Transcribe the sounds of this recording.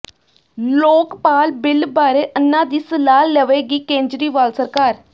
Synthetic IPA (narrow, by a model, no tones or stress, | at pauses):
loːkpaːlbɪlbaːɾeːʔənːãːd̪iːsəlaːlːəʋeːɡiːkẽːɲd͡ʒɾiːʋaːlsəɾkaːɾ